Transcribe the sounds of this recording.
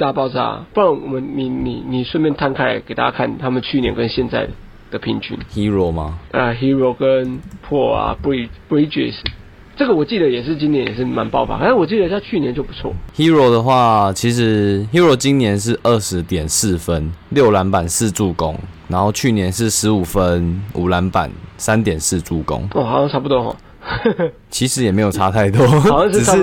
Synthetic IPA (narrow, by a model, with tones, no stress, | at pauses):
t̪a˥˧pɑ˥˧ʊt͡sa̰˥˧pu˥˩a˧˥ŋwɔ˨˩mə˦nni˨˩ni˨˩ni˨˩ʂwə˥˧nmjɛ˥˧˨nt̪ʰa˥nkʰa˥˩ɪa˨˩ke˨˩t̪a̰˥˧t͡ɕja̰˧kʰa˥˩nt̪ʰa˥mə˨nt͡ɕʰy˥˩njɛ̰˧˦nkə˦nɕjɛ˥˧nt͡sa˥˩ɪ | d̪̥ə˨pʰi˧˥nt͡ɕʰy̰˧˥nhi˦˥ɻɔ˨˩ma˦ʔə˧ɦi˦˥ɻo˧˩kə˦˥npʰwɔ˥˩a̰˨˩bi˧˥˩pi˦˥t͡ʃḭ˥˩s | ʈ͡ʂɤ˥˩ɡə˨˩wɔ˨˩t͡ɕi˥˩d̪ə˨jɛ˨˩ʂɻ̩˥˩t͡ɕi˥njɛ˧˦njɛ˨˩ʂ̬ɻ̩˥˩ma˧˦npɑ˥˩ʊfa̰˨˩na˥˩nwɔ˨˩t͡ɕi˥˩d̪ə˨˧i˧ɕja˥˧t͡ɕʰy˥˩njɛ˧˦nt͡ɕjo˥˩ʊpu̥˧˥t͡sʰwɔ̰˥˩˨hi˦ɻo˧˦d̪ə˨xwa˥˨t͡ɕʰi˧˥ʂ̬ɻ̩˧˦hi˦˥ɻo˧˩t͡ɕi˦nnjɛ˧˥nʂ̬ɻ̩˥˧ʔə˥˩ʂɻ̩˧˦t̪jɛ˨˩ns̩˥˨fə˦nljo˥˨ʊla˧˦npa˨˩ns̩˥˧t͡su˥˨˩ko̰˦˥ŋna˧˥nho˥˧ʊt͡ɕʰy˥˩njɛ˧˦nʂ̬ɻ̩˥˩ʂɻ̩˧˥u˨˩fə˦nṵ˨˩la˧˦˥npa̰˨˩nsa˦nt̪jɛ˨˩ns̩˥˧t͡su˥˩ko̰˦˥ŋɔ˥˩˨xɑ˨˦sɑ˥˧ŋʈ͡ʂʰa˥pu˧t̪wɔ˥˩xɔ̰˨˩ | t͡ɕʰi˧˥ʂɻ̩˧˦jɛ˨˩me˧˥jo˨˩a˦˥t̪ʰa˥˩ɪt̪wɔ˦˨˩ɑ˥˧˥